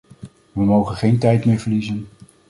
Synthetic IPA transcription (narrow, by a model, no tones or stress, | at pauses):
ʋəmowχənχejntɛjtmɪːɹvəɹlizən